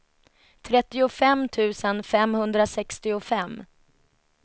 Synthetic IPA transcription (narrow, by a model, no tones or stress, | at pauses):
t̪ʰɾɛt̪ːɪʊfɛmt̪ʰʉ̟ːsənfɛmhɵnd̪ɾasɛkst̪ɪʊfɛmː